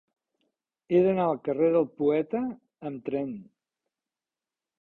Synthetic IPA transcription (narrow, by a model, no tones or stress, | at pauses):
eðənaəlˠkəreðəlˠpuɛt̪əː | mt̪ɾɛn